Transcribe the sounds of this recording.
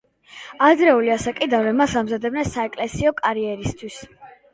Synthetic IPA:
ad̪ɾɛuliasakʼid̪avɾɛmasamzad̪ɛbnɛnsaɛkʼlɛsiɔkʼaɾiɛɾist̪ʰwis

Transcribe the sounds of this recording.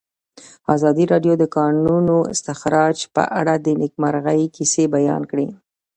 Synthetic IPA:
ɑzɑd̪iɾɑɖjod̪əkɑnunoɪ̰st̪ɪxɾɑd͡ʒpə̰ʔaɽad̪ənɪk̚maɾɣajkisebajɑ̰nkɽi

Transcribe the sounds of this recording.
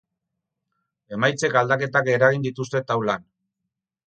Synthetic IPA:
e̞majt͡se̞kald̪ake̞t̪ake̞ɾaɣ̞ind̪it̪ust̪e̞t̪awlan

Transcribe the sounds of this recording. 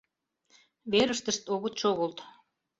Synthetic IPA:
βeɾəʃt̪əʃt̪oɣət̪ʃoɣolt̪

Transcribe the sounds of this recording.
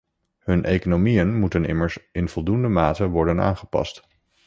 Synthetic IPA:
ɦɵnʔejkonomijənmutənɪ̰məɹsɪnv̥ɔlˠdundəmaːtəʋɔɹdəna̰ːnχə̥pɑ̰st

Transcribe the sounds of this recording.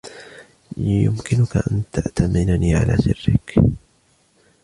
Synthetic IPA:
jʊmkɪnʊkaʔant̪ʰaʔt̪ʰamɪnaniːʕa̰lʔaːsɪrːɪk

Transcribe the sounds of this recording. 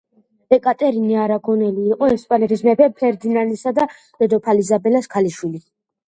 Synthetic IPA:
ɛkʼat̪ʼɛɾiniaɾaɡɔnɛliːqʼɔɛspʼanɛt̪ʰismɛpʰɛpʰɛɾd̪inanisad̪a | lɛd̪ɔpʰalizabɛlaskʰaliʃwili

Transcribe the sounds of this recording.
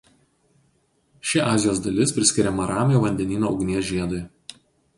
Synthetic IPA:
ʃʲɪʔɑːzʲɪjoːsd̪ɐlʲɪspʲɾʲɪsʲkʲɪɾʲɛmɐɾɑːmʲɪjoːʋɐnʲd̪ʲɛnʲiːnoːʊɡnʲiɛsʒʲiɛd̪ʊɪ

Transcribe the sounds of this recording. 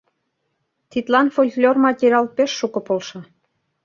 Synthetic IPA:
t̪it̪lɑnfolʲklʲormɑt̪ʲiɾʲɑlpeʃːukɤ̆polʃɑ

